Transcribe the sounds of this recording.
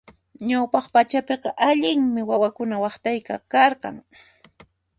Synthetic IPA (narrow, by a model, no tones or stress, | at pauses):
ɲawpɑχpat͡ʃapeqɑʔaʎɪŋmɪwawakʊnawɑχt̪ajka̰kɑɾqɑ̰ŋ